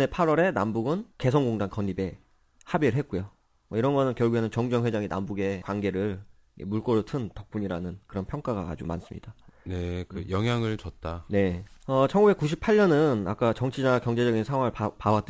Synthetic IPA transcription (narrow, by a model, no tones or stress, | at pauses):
e̞pʰaɾwʌɾe̞nambuɡɯnke̞s̬ʰʌŋɡoŋdankʌɲibe̞ | habiɾɯɭɦet̚k͈ojo | mʌiɾʌnɡʌnɯnkjʌɭɡuɦenɯnt͡ɕʌŋd͡ʑʌŋɦwe̞d͡ʑaŋina̰mbuɡe̞kwanɡe̞ɾɯɭ | ḛmuɭk͈ʌɾotʰɯntʌk̚p͈uɲiɾanɯnkɯɾʌnpʰjʌŋk͈aɡaka̰d͡ʑo̰ma̰ns͈ɯmɲḭd̥anekɯjʌŋɦjaŋɯɭt͡ɕʌt̚t͈ane̞ʌt͡ɕʰʌŋɡube̞k͈uɕʰipʰaɭɲʌnɯna̰k͈at͡ɕʌŋt͡ɕʰinakjʌŋd͡ʑe̞d͡ʑʌɡinsʰaŋɦwaŋɯɭpawat͈